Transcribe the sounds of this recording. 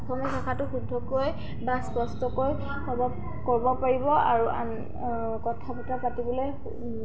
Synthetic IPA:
ɔkʰɔmɔtʰɔkʰatʊxudʱːɔkoj | baspɔstɔkoj | ɔbɔ | kɔɹbɔpaɹibɔaɹuʔa̰n | kɔtʰapɔtapatibɔloj

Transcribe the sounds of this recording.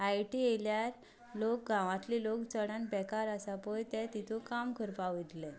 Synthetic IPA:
ajʈieljaɾ | lok̚ɡãʋãt̪lilokt͡səɽãnbɛkaɾasapojt̪ɛ̃t̪it̪ʰũkamkʰəɾpaʋid̪lɛ

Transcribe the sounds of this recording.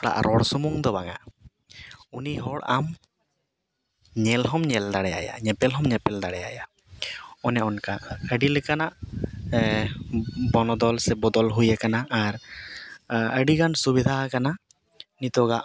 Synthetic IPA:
ɽa̰ʔɾʔɔɽsɔmuŋd̪ɔbaŋa̰ʔ | uniɦɔɽam | ɲɛlɦɔmɲɛld̪aɽɛja̰ja̰ɲɛpɛlɦɔmɲɛpɛld̪aɽɛja̰ja | ɔnɛʔɔnkaəɖilɛkanaʔ | bɔnɔd̪ɔlsɛbɔd̪ɔlɦujakanaʔaɾ | əɖiɡansubid̪ʱakana | nit̪ɔɡaʔ

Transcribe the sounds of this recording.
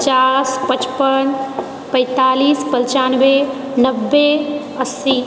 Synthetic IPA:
t͡ʃaspət͡ʃpən | pə̃ɪt̪aːlispəlt͡ʃanbe | nəbːe | əsi

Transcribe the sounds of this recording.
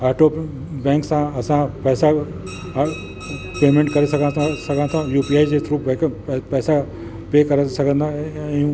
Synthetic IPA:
aːʈo | bɛ̃ːŋksãɐsãpɛːsa | peːmẽɳʈkɐɾesɐɡʱããsɐɡʱãt̪ʰãjuːpiaːid͡ʑesɾuːpːkpɛːsa | peːkɐɾesɐɡʱə̃nd̪ãjũ

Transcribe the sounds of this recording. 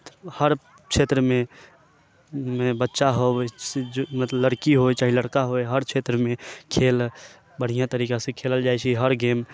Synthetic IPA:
həɾ | kʃeːt̪ɾəmẽ | mẽbətːʃaɦod͡ʒmət̪lələɽkiɦoet͡ʃaːɦiləɽkaɦoeɦəɾʃʰeːt̪ɾəmẽkʰeːl | bəɽ̤ijat̪əɾiːkasẽkʰeːləld͡ʒaːet͡ʃʰiɦəɾɡeːm

